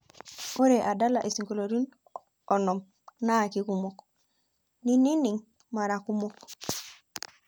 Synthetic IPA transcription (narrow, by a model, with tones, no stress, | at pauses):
o˦ɾe˨ʔa˨da˦la˨ʔi˨si˨ŋko˨lo˨ɾi˦n | o˨no˨m | na˦˨ki˦ku˦mo˨k | ni˦ni˦ni˨ŋ | ma˨ɾa˨ku˦mo˦k